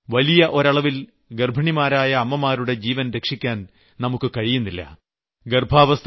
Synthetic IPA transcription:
ʋɐlijɐʔo̞ɾɐɭɐʋil | ɡerbʱɐɳimaːɾaːjɐːmːɐmaːɾuɽe̞d͡ʑiːʋɐnɾe̞kʂikʲːaːn | nɐmukːɨkɐɻijunːilːɐ̰ | ɡerbʱaːʋɐst̪ʰ

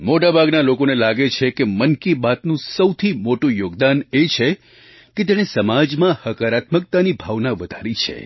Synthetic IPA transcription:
moʈabʱaɡnalokonelaɡet͡ʃʰekemənkibat̪nũsəwt̪ʰimoʈũjoɡd̪anet͡ʃʰe | ket̪eɽ̃esəmad͡ʒmãhəkaɾat̪mək̚t̪anibʱaʋnaʋəd̪ʱaɾit͡ʃʰḛ

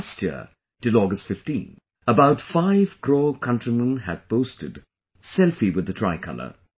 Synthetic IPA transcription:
stjɪ̰ | d̥ɨlɔɡɨstfɪftḭ̃n | əbaʊtfaɪv̥kʰɹ̥ɔkʰʌ̃ntɹ̥imə̃nɨd̚pʰoʊstɨd | sɛlˠfiwɨðɨtʰɹ̥aɪkʰʌ̰lˠə̰˞

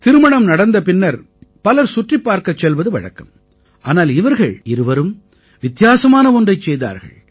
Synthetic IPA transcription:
t̪ɪɾɯmɐɳɐmnɐɽɐnd̪ɐpɪnːɐɾ | pɐlɐɾsʊʈrɪpːaːɾkɐt͡ʃːɛlʋɐðɯʋɐ̰ɻɐ̰kːɐm | ʔaːnaːlɪʋɐɾɣɐɭɪɾɯʋɐɾɯm | ʋɪt̪jaːsɐmaːnɐɔndrɐɪt͡ʃːɛjða̰ːɾɣɐ̰ɭ

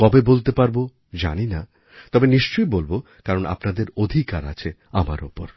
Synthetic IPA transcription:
kɔbebolt̪epaɾbo | d͡ʑa̰nina | t̪ɔbeniʃt͡ɕojbolbo | kaɾona̰pnad̪eɾod̪ʱikaɾa̰t͡ɕʰe | ama̰ɾopoɾ

